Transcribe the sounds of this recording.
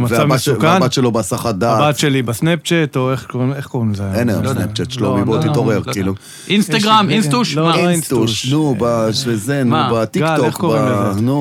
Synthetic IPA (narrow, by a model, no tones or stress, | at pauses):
mavesavmakanbat̪ʃelobasaχad̪aabat̪ʃelibasnep̚t͡ʃet̪oeχkoneχkoʁinzeenlajo̰msnept͡ʃet̪ʃelomibot̪ittoʁeʁkiːlu | instaɡʁaminst̪uʃost̪uʃnubaʃvezenmubat̪iɡaoeχkkoʁbienu